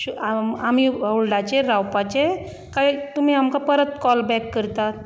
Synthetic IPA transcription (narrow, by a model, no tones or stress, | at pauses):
uaamiolɖat͡ɕeɾawpat͡ɕe | kat̪um̤iamkapəɾət̪kɔlbɛkːəɾt̪at̪